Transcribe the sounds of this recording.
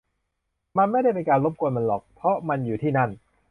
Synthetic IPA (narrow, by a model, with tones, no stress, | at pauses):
ma˧nma˥˩jda˥˩jpe˧nkaː˧nlo˦˥p̚kʰu˧ənma˧nlɔː˨˩k̚pʰɾɔ˦˥ma˧njuː˨˩t̪ʰiː˥˩na˥˩n